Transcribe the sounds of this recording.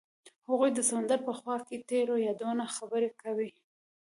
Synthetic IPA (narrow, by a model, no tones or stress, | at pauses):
haɣujd̪əsamand̪əɾpəxwɑket̪eɾojɑd̪onaxabəɾekawi